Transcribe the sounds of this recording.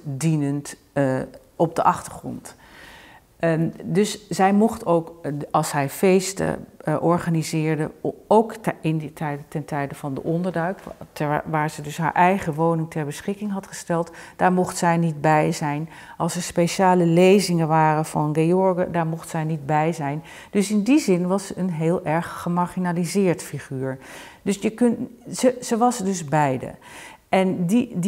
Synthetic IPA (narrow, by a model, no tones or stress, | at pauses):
dinənt | ɔb̚dəʔɑχtəɹχrɔ̰nt | dɵszɛjmɔχtowkɑlˠshɛjfejstə̰ʔɔɹχanizɪːɹdə̰owkɪntɛtɛntɛjdəvɑndəʔɔndəɹdœɥktʋaːɹzɛjdɵsɦa̰ɹʔɛjχəʋownɪŋtɛɹbəsχɪkɪŋɦɑtχəstɛlˠtd̥aːɹmɔχtsɛjnid̚bɛjzɛjn | ʔɑlˠsɛɹspeʃaːləlejzɪŋənʋaːrəvɑnɡejɔɹɡədaːɹmɔχtsɛjnid̚bɛjzɛjn | d̥ɵsɪndizɪnʋɑsəənɦeːlˠʔɛɹχːəmaɹχinalizɪːɹtfiχyːɹ | dɵsjəknəz̥əʋɑsdɵzbɛjdə̰ʔɛndi